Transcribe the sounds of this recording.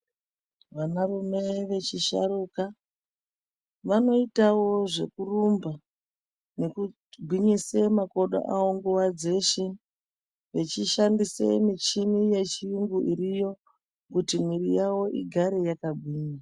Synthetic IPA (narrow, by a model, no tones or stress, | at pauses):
ʋanarume̞ʋe̞t͡ʃiʃa̰ruka | ʋano̞itawo̞ʐe̞̰kurumba | ne̞ku | bʱwiɲisemako̞ɗo̰ʔawo̞ŋɡuwad͡ze̞ʃe | ʋet͡ʃiʃandisḛmit͡ʃimije̞t͡ʃijuŋɡuʔiɾijo̞ | kutimwiɾijawo̞ʔḭɡʱaɾe̞jakabʱwiːɲa